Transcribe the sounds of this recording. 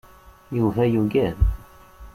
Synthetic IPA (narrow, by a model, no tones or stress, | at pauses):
juvæjuɡæn